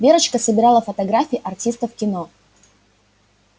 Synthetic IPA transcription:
bʲe̞ɾət͡ɕkəsəbʲɪɾɑlˠəfət̪ɐɡɾafʲiːʔɐrtʲist̪əfkʲɪno

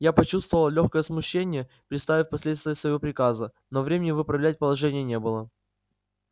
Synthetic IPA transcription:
japɐt͡ɕust̪vəvəlˠlʲoxkəjəsmʊɕːenʲɪjə | pɾʲɪt̪st̪avʲɪfʲpɐsʲlʲe̞t̪st̪vʲɪjəsvəjvo̞pɾʲɪkazə | novɾʲemʲɪnʲɪvɨpɾɐvlʲæt̚ʲpəlˠɐʐɛnʲɪjənʲebɨlˠə

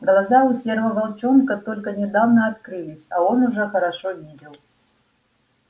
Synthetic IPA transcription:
ɡlˠazaʊsʲervəvalˠt͡ɕonkət̪o̞lʲkənʲɪd̪avnəɐt̪kɾɨlʲɪsʲao̞nʊʐɛxəɾɐʂovʲidʲɪlˠ

